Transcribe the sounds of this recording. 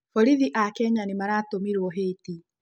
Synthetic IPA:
fɔɾiðiʔakɛɲanimaɾaːtomiɾwɔɦeːti

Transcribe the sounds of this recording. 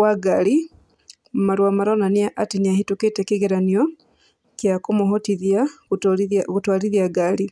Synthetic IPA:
waɡali | maɾwamaɾonaniaʔatiniahituketekiɣeɾanio | kjakumuɦotiðja | βutwaliðjaɡali

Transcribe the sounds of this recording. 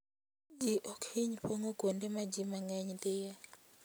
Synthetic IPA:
d͡ʒiʔokʰiɲpoŋokwondemad͡ʒimaŋɛɲdɪja

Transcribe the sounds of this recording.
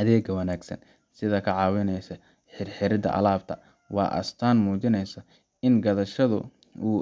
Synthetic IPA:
ʔɐðɛːɡɐwɐnaːɡsɐ̰n | sɪðɐkʰɐʕɑːwɪnɛjsɐ | ħɪrħɪɾɪd̪ɐ̰ʔɐ̰laːb̚t̪ʰɐ | wɑ̰ːʔɐ̰st̪ʰaːnmuːt͡ʃɪnɛjsɐ | ɪnɡɐðɐʃɐðʊ̰ | uː

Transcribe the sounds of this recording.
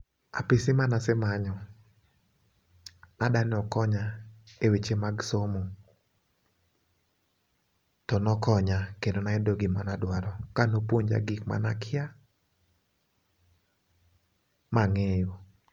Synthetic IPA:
a̰pɪsɪmanasɪmaɲɔ | nadanɪɔkɔɲaewet͡ʃemaɡsomo | tɔnɔkɔɲakendonaɛdoɡɪmanadwaɾɔkanopwoɲd͡ʒa̰ɡɪkma̰nakʰɪa | maŋejo

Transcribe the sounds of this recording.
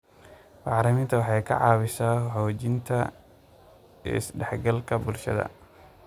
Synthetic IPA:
bɑɾɪmɪnt̪ʰɐwɑħɑjkʰɐ̰ʕɑ̰ːβɪʃaːħɔːt͡ʃɪnt̪ʰɐ | ɪ̰sɖɛħɡɐlkʰɐbʊlʃɐ̰ðɐ̰

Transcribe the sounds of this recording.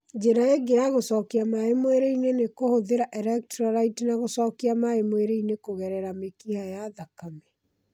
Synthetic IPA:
d͡ʒeɾaeɡeaɣosɔkiamaemweɾeinenekohoðeɾaʔɛɾɛk̚tɾaɾaitnaɣosɔːkiamaemweɾeinekoɣɛɾɛɾamekihajaðakamɛ

